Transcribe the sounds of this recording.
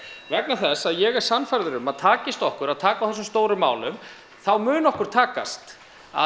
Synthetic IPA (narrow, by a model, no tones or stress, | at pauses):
vɛknaθɛsaðjɛɣɛɾ̥sanfajɾðʏɾʏmaðt̪ʰaːcɪst̪ɔhkʏɾaðt̪ʰaːkawθɛs̬ːʏmst̪oːwɾʏmːa̰ːwlʏm | θawmʏːnɔhkʏɾ̥t̪ʰaːka̰st̪ | a̰